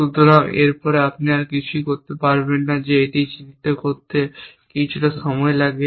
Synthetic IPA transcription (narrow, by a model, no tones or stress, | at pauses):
ʃud̪ʱoɾaḛɾpɔɾeapniaɾkit͡ɕʰuikoɾt̪epaɾbenːad͡ʑeeʈijt͡ɕinit̪ːokoɾt̪e | kit͡ɕʰuʈaʃɔmɔelaɡe